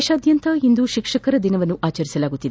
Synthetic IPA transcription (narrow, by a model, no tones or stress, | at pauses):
ʃaːd̪jɐnt̪ɐind̪uʃikʂɐkɐɾɐd̪inɐʋɐnːuʔaːt͡ʃɐɾisɐlaːɡut̪ːid̪e